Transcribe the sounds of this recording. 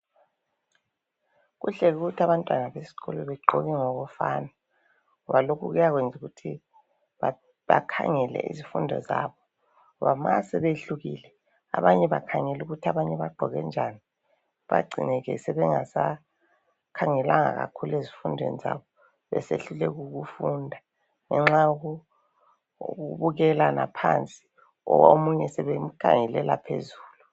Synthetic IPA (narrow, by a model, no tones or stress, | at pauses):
ɣṵɬɛɣuɣutʰiaβantʼwanaβesi̥ɣɔluβɛɡ͡ǃʱɔɣɛŋoɣufaːna | ɔβalokʰuɣujaɣwend͡zʱuɣutʰi | β | βa̰kʰa̰ŋɛlɛ̰ʔizifundʱɔ̰zaːβɔ | βamasɛβeɬuɣiːlɛ | a̰βaɲɛβakʰaŋɛluɣutʰiaβaɲɛβaɡ͡ǃʱɔɣɛ̰nd͡ʒʱani | βaɡ͡ǀʱinɛɣɛ̰sɛβɛŋasa | kʰaŋɛlaŋaɣakʰulezifundʱwḛnizaβɔ | βɛ̰seɬulɛɣuɣufundʱa | ŋɛŋ͡ǁaɣu | ɣuβuɣɛlanapʰant͡sʼi̥ | ɔomuɲɛsɛβem̩kʰaŋɛlɛlapʰezuːlu